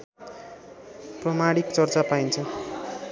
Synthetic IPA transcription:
prʌmaɽikt͡sʌrt͡sapaint͡sʰʌ

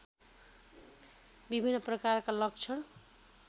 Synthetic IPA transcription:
bibʱinːʌprʌkarkalʌk̚t͡sʰʌn

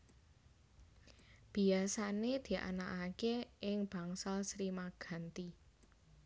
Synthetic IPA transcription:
b̥i̤asaned̪̥i̤ʔa̰naʔakeʔɪŋb̥ä̤ŋsalsɾimaɡ̥a̤nt̪i

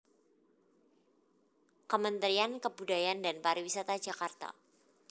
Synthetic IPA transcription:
kəmənt̪ɾiankəbudajandanpaɾiwisat̪ad͡ʒakart̪a̰

